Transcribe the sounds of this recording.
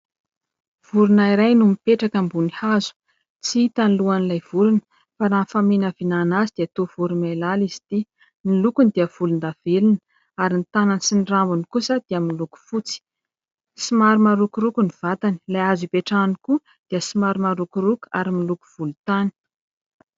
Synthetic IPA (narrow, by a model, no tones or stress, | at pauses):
v̥uɾunaiɾajnumipeʈ͡ʂakambunihazu̥ | t͡siit̪aniluanilajv̥uɾunə̥ | faɾanfamenəvinanazid̪̥iat̪ov̥uɾunajlalizi̥t̪i | nilukund̪iəv̥ulund̪av̥elunə̥ | aɾinit̪ananisinirambunikusəd̪̥iamnluku̥fut͡si̥ | simaɾumaɾukuɾukuniv̥at̪ani̥lajazipeʈ͡ʂaniku | d̪̥iəsimaɾumaɾukuɾuku̥a̰ɾimiluku̥v̥ulut̪ani̥